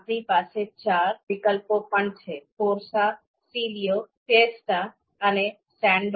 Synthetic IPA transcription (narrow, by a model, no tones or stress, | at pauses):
p̪ɾipaset͡ɕaɾʋikəlpopəɳt͡ʃʰefoɾsa | silijofesʈa | əne | sɛ̃ɳɖ